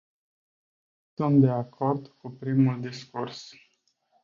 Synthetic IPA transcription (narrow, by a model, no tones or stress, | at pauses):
sunt̪̚d̪e̞akʰo̞rd̪kupɾimuld̪iskurs